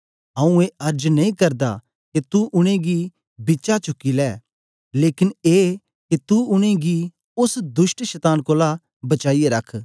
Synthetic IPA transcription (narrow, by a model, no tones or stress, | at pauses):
ɦãːũeɐɾd͡ʒnɐĩkɐɾd̪a̰ | ket̪uʔʊɽ̃ẽɡi | bɪt͡ʃat͡ʃʊkːilɛː | leːkɪneː | ket̪uʊɽ̃ẽɡi | ʊsd̪ʊʃʈʃɐt̪aːnkoːla | bɐt͡ʃaːijeɾɐkʰ